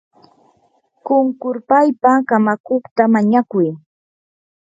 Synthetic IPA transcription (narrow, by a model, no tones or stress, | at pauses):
kʊŋkʊɾpajpakamakoχt̪amaɲakʊj